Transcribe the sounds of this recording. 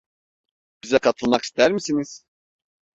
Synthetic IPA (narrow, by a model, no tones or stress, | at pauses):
b̥izɛkʰat̪ʰɯlˠmaki̥st̪ʰæɾmisiniz̥